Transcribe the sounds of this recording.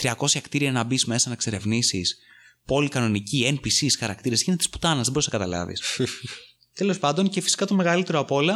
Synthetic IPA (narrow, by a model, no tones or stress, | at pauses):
t̪ɾiɐko̞sçɐkt̪iɾiɐnɐbizme̞sɐnɐkse̞ɾe̞vnisis | po̞likɐno̞niciempisisxɐɾɐkt̪iɾesçinet̪i̥spu̥t̪ɐnɐzðeboɾisnɐkɐt̪ɐlɐ̰vḭs | t̪elo̞spɐnd̪o̞nce̞fi̥si̥kɐt̪o̞me̞ɣɐlit̪e̞ɾoɐpo̞lɐ